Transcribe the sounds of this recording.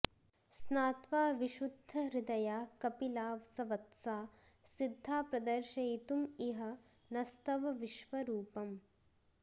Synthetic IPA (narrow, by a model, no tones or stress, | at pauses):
snaːt̪ʋaːʋiʃud̪ʱːɐɾid̪ɐjaːkɐpilaːʋsɐʋɐt̪saːsid̪ʱːaːpɾɐd̪ɐɾʃɐjt̪umiɦɐ̆ | nɐst̪ɐʋɐʋiʃʋɐɾuːpɐm